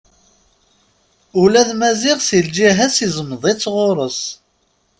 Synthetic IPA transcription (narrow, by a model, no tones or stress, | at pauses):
ulæðmæziʁsild͡ʒiɦæsizəmðˤit͡sːʁʊɾˤəs